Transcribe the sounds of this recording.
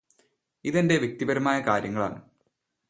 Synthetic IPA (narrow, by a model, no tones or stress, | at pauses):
iðende̞ʋjek̚t̪ibɐɾɐmaːjɐkaːɾjɐŋːɐɭa̰ːɳɨ